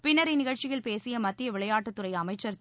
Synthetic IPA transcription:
pɪnːɐɾɪnɪɣɐɻt͡ʃɪjɪlpeːsɪjɐmɐt̪ːɪjɐʋɪɭɐjaːʈːɯt̪ːɯɾɐɪɐmɐɪt͡ʃːɐɾ

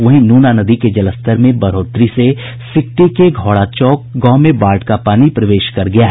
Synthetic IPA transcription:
ʋɐɦĩnuːnanɐd̪iked͡ʒɐləst̪əɾmẽbɐɾoːt̪ɾise | sɪk̚ʈikeɡʱɔːɽat͡ʃɔːkɡɔ̃ːmẽbaːɾʈkapaːnipɾɐʋeːʃkɐɾɡɐjaɦ

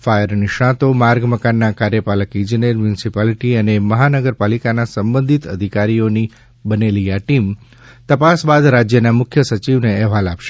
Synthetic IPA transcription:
fajəɾniʃãt̪omaɾɡməkanːakaɾjəpaləkĩd͡ʒineɾmjunsipaliʈiəneməɦanəɡəɾpalikanasəmbə̃nd̪ʱit̪ə̰d̪ʱikaɾijoni | bəneliaʈim | t̪əpasbad̪ɾad͡ʒjənamʊkʰjəsət͡ʃiʋneɛɦʋalapʃe̥

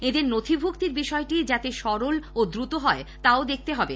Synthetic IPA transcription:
ed̪eɾnot̪ʰibʱukt̪iɾbiʃɔeʈid͡ʑat̪eʃɔɾolod̪ɾut̪oɦɔet̪aod̪ek̚ʰt̪eɦɔbe

